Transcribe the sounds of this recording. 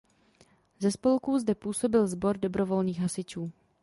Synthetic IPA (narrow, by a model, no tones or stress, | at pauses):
zɛspolkuzdɛpuːso̞bɪlzbo̞ɾdo̞bɾo̞vo̞lniːxɦasɪt͡ʃuː